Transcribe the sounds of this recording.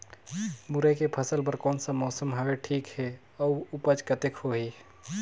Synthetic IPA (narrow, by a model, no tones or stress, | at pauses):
muɾəkepʰəsəlpəɾkɔːnsə̃mɔsəmɦəbeʈʰiːkɦe | əuupət͡ʃkət̪ekhoɦi